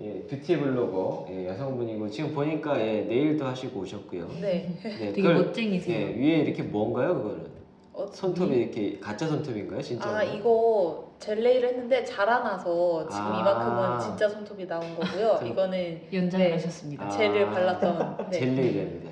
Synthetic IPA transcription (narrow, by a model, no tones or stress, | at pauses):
je̞tutʰibuɭːoɡoje̞jʌsʰʌŋbuɲiɡot͡ɕiɡɯmpoɲik͈aje̞ne̞iɭdohaɕʰiɡoːɕʰʌt̚k͈ujo̰ne̞neɡot͡ɕ͈eŋisʰeneɥie̞iɾʌkʰe̞moʌnɡajokɯɡʌɾɯ̰n | ʌsʰʌntʰobiɾʌkʰe̞kat͡ɕ͈ʰasʰʌntʰobinɡajot͡ɕint͡ɕaiɡʌ | t͡ɕe̞ɭːe̞iɾɯɭhenːɯnde̞t͡ɕaɾanasʰʌt͡ɕiɡɯmibaɯɡʌt͡ɕint͡ɕ͈asʰʌntʰobinaonɡʌɡujoiɡʌnɯnjʌnd͡ʑaaɕʰʌs͈ɯmɲidt͡ɕe̞ɯɭpaɭːat͈ʌnnt͡ɕee̞ɭːe̞iɾɦenːɯnde